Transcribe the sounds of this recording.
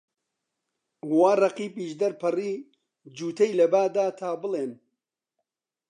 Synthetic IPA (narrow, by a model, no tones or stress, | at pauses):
waːrɐqiːpiːʃd̪ɐɾpɨriː | d͡ʒuːt̪ʰɐjlɐbaːd̪aːt̪ʰaːbɨleːn